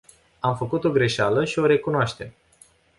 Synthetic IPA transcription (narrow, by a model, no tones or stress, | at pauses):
amfəkut̪o̞ɡɾe̞ʃaləʃio̞ɾe̞kunoaʃt̪e̞m